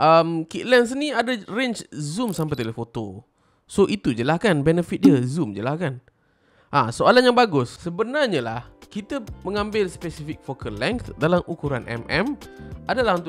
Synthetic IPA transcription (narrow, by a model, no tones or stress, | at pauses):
ʔəmkiʔ̪lɛns̬ənĩadarent͡ʃzumsampajt̪elɛfot̪o | soʔit̪ud͡ʒəlahkanbɛnəfit̪̚diəzumd͡ʒəlahkan | ʔasoalanjaŋbaɡʊsːəbənarɲəlahkit̪əməŋãmbɪlspɛsifɪk̚fokəlɛŋkt̪dalamʔukuɾanʔɛ̰mʔɛmʔadalaɦunt̪ʊ